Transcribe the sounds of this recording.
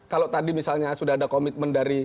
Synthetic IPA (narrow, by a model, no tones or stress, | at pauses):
kalot̪adimisalɲasudaɦadakomɪt̪̚məndaɾi